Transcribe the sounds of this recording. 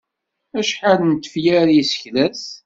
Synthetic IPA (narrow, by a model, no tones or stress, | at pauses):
æʃħalnt̪ːəfjæɾjisə̥çlæs